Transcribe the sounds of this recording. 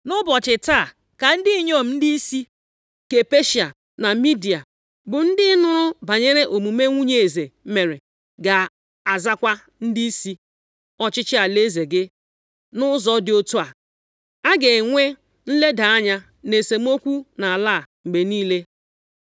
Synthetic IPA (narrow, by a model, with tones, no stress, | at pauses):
nʊ˦bɔ˨t͡ʃɪ˨ta˦˨ | ka˨n̩˦dɪ˦i˦ɲo˦˨m̩˦n̩˦di˦i˦si˦ | ke˨pe˦ʃi˨a˨ | na˨mi˦di˨a˨ | bʊ˨n̩˦dɪ˦nʊ˦ɾʊ˦ba˨ɲe˦ɾe˦ʔo˨mu˨me˦ŋʷu˦ɲe˨e˨ze˨˦me˨ɾe˨ | ɡa˨ | a˨za˦kʷa˦ | n̩˦di˦i˦si˦ | ɔ˦t͡ʃɪ˦t͡ʃɪ˦a˨le˦ze˨ɡɪ˦ | nʊ˦zɔ˦dɪ˨o˦tu˦a˨ | a˦ɡe˨ŋʷe˦ | n̩˦le˦da˨a˦ɲa˦ | ne˨se˨m̩˦o˦kʷu˦na˨a˨laː˦˨ŋ͡m̩˨ɡ͡be˨niː˦le˦